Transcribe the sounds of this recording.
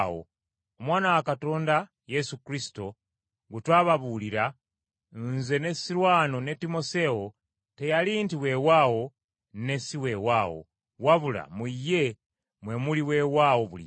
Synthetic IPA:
o̰ | omwaːnawakato̞ːnda | jesukɾisi̥to | ɡutwaːβaβuliɾa | nze̞ne̞siɾwaːno̞ne̞timo̞se̞o | te̞jalintiwe̞wawo̞ | ne̞siwe̞waːwo̰ | waβula̰muje | mwe̞muliwewawo̞βulḭ

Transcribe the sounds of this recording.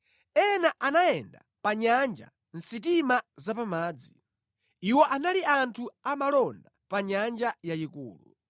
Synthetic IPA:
ɛnaʔanajɛnda̰ | paɲand͡ʒa̰ | n̩sitimazapamaːd͡zi | iwɔʔanaliantʰuamalɔndapaɲand͡ʒajaikṵːlṵ

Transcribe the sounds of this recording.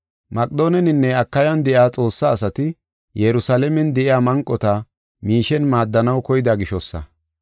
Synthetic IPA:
mɐkʼd̪o̞ːnɛnɪnːɛɐkːɐjɐnd̪ɛʔjaːt͡sʼo̞ːsːaːsɐt̪ɪ | jɛɾʊsalɛmɛnd̪ɛʔɪjaːmɐŋkʼːɔt̪ɐ | miːʃɛnmaːd̪ːɐnɐwkɔjɪd̪aɡɪʃɔsːɐ̰

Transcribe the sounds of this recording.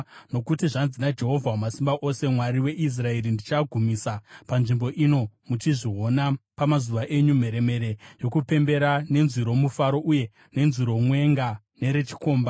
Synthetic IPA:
no̞kutiʐanzinad͡ʒe̞ɦo̞vʱawumasimbaʔose̞mwaɾiwe̞ʔis̬rae̞ɾindit͡ʃaɡʱumisapanʐimbo̞ʔino̞mut͡ʃiʐiɦo̞napamazuʋaʔe̞ɲum̤e̞ɾe̞me̞ɾe̞jo̞kupe̞mbe̞ɾane̞nziɾo̞mufaɾo̞ʔuje̞ | ne̞nziɾo̞mwe̞ŋɡa | ne̞ɾe̞t͡ʃi̥ko̞ːmba

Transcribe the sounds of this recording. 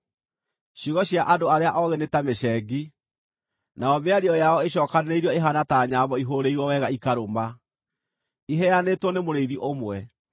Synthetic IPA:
ɕiɣɔɕiaʔadoaɾeaʔɔɣenetameɕɛɡi | naɔmeaɾiɔjaɔeɕɔːkanneiɾɔeɦanataɲaβɔiɦoɾeiɾwɔwɛɣaikaɾoma | iɦɛanetwɔnemoɾeiðiʔomwɛ

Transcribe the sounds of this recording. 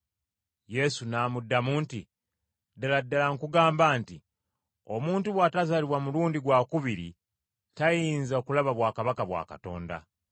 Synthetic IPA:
je̞sunaːmudːamuːnti | daladːalaŋkuɡaːmbaːnti | o̞muːntuβwaːtazaliβwamuluːndiɡwakuβiɾḭ | tajiːnzaokulaβaβwaːkaβakaβwa̰ːka̰to̞̰ːnda̰

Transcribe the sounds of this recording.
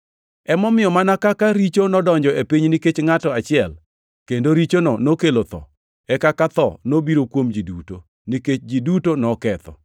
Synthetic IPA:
ɛmɔmɪjɔmanakakaɾit͡ʃonɔdɔɲd͡ʒɔepiɲniket͡ʃŋatɔat͡ʃɪɛl | kendoɾit͡ʃonɔnokelot̪ɔ̰ | ɛkakat̪ɔ̰nobiɾokwomd͡ʒiduto | niket͡ʃd͡ʒidutonɔkɛt̪ɔ̰

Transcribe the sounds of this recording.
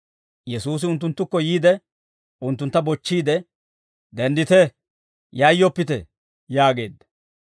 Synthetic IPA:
jɛsuːs̬ɪʊnt̪ːʊnt̪ːʊkːɔjiːd̪ɛ | ʊnt̪ːʊnt̪ːɐbɔt͡ʃːiːd̪ɛ | d̪ɛnd̪ɪt̪ɛ | jajːɔpːɪt̪ɛ | jaːɡe̞̰ːd̪ːɐ̥

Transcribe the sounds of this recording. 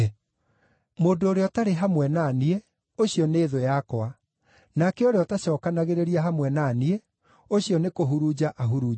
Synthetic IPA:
moːndoːɾeɔtaɾeɦamwɛnaːniɛ | oɕjɔneːðojakoa | nakɛoɾeɔtaɕɔːkanaɣeɾeɾiaɦamwɛnaniɛ | oɕiɔnekoɦuɾud͡ʑaʔaɦuɾuː

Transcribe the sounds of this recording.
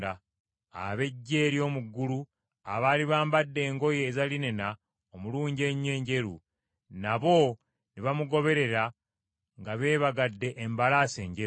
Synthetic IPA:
a | a̰βe̞ɟːe̞ːɾjo̞ːmuɡːulu | aβaːliβaːmbadːe̞ːŋɡo̞jeːzaline̞na | omuluːɲɟe̞ɲe̞ːɲɟe̞ɾṵ | naβo̞ | niβamuɡo̞βe̞ɾe̞ɾa | ŋɡaβe̞ːβaɡadːe̞ʔːmbalase̞ːɲɟe

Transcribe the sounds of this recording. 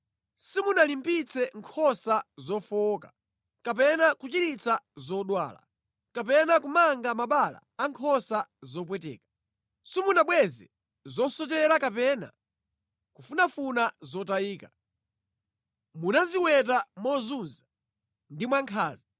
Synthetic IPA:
simunalimpit͡sʰɛŋkʰɔsazɔfɔkḁ | kap̬ɛnakut͡ʃiɾit͡sʰazɔɗwa̰ːla̰ | kap̬ɛnakumaŋɡamaɓala̰ːŋkʰɔsazɔp̬wɛtɛ̰ːkḁ | simunaɓwɛzɛ̰ | zɔsɔt͡ʃɛɾakapɛna̰ | kufunafunazɔtajiːka | munaziwɛt̬amɔzunza | ndimwaŋkʰa̰ːzi

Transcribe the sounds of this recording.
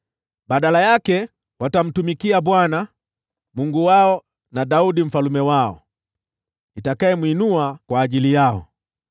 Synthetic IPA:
baɗalajakɛ | watam̩tumikiabwana | muŋɡuwaɔ | nadaudim̩falumɛwaɔ̰ | itakaɛmwinuakwaːʄilijaɔ̰

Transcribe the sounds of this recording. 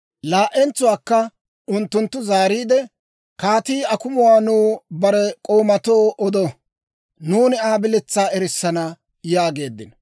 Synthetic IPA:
laːʔɛnt͡sʊwaːkːɐ | ʊnt̪ːʊnt̪ːʊzaːɾiːd̪ɛ | kaːt̪iːɐkʊmʊwaːnuːbɐɾɛkʼo̞ːmɐt̪o̞ːʔɔd̪ɔ | nuːnɪaːbɪlɛt͡sːaːɛɾɪsːɐnɐ | jaːɡe̞ːd̪ːɪn

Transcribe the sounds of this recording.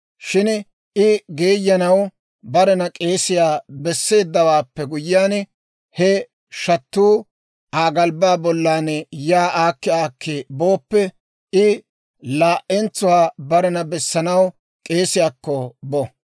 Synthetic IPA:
ʃɪn | ʔɪɡeːjːɐnɐw | bɐɾɛnɐkʼe̞ːsɪjaːbɛsːe̞ːd̪ːɐwaːpːɛɡʊjɪaːn | hɛ | ʃɐt̪ːuː | ʔaːɡɐlbaːbɔlːaːnɛjaːʔaːkːɪaːkːebo̞ːpːɛ | ɪ | laːʔɛnt͡sːʊwaːbɐɾɛnɐbɛsːɐnɐw | kʼe̞ːsɪjaːkːɔbɔ

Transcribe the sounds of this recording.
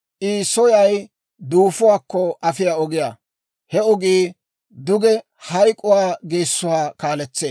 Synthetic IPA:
ʔiːsɔjɐj | d̪uːfʊwaːkːɔʔɐfɪjaːɔɡɪja | hɛɔɡiː | d̪ʊɡɛ | hɐjkʼʊwaːɡeːsːʊwaːkaːlɛt͡sːeː

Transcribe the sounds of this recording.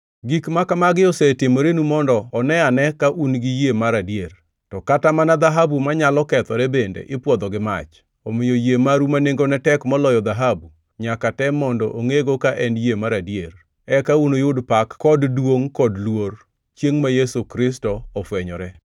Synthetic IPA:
ɡikmakamaɡɪɔsɛtɪmoɾenumɔndɔːnɛanɛkaʔunɡɪjemaɾadjer | tɔkatamanad̪aɦabumaɲalɔkɛt̪ɔɾɛbendḛʔɪpwɔd̪ɔɡɪma̰t͡ʃ | omɪjojemaɾumaneŋɡonɛtɛkmɔlɔjɔd̪aɦabu | ɲakatɛmɔndɔ̰ʔoŋeɡokaʔɛnjemaɾadjer | ɛkaunojʊdpakkːɔddwoŋkɔdlwoɾ | t͡ʃjeŋmajesukɾɪs̬tɔɔfwɛɲɔɾɛ

